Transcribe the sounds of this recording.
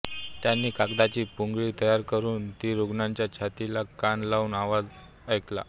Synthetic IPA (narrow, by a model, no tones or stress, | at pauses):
t̪janːiːkakd̪at͡ɕiːpuŋɡɭiːt̪əjaɾkəɾuːnt̪iːɾoɡnaɲt͡ɕjat͡ɕʰat̪ilakanlauːnaʋad͡z | əjkla̰